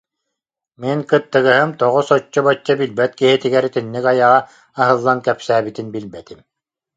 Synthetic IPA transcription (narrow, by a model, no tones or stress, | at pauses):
minkɯt̪ːɯɣɯɦɯmt̪ɔʁɔsɔt͡ɕːɔbɔt͡ɕːɔbilbɛt̪kiɦit̪iɡɛɾt̪inːikajaʁaː | ɦɯlˠːankɛpsæːbit̪inbilbɛt̪im